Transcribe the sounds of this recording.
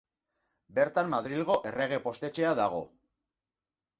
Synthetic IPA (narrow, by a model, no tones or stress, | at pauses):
be̞ɾt̪amːaðɾilɣ̞o̞ʔe̞re̞ɣ̞e̞po̞st̪e̞t͡ʃe̞aðaɣ̞o̞̰